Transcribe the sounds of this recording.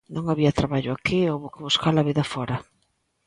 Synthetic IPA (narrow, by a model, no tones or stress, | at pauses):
nõŋaβiɐt̪ɾaβaʎʊakiowβʊkɪβuskalaβiðɐfɔɾɐ